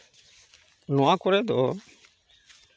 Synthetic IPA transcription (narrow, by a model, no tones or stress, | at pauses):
nɔakoɾed̪ɔ